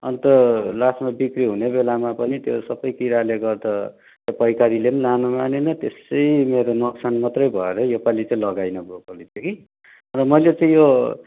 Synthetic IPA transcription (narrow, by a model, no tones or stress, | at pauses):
ʌ̰nt̪ʌlasmabikriɦunebelamapʌnit̪jo̰sʌbʌjkiɾaleɡʌrd̪ʌ | t̪japʌjkaɾilennanomanenʌt̪esʌjmeɾonʌksʰanmʌt̪rʌjbʱʌeɾʌjopalit͡saĩlʌɡajnʌbokʌlit̪ʰjeki | ʌntʌmʌjlet͡saĩjo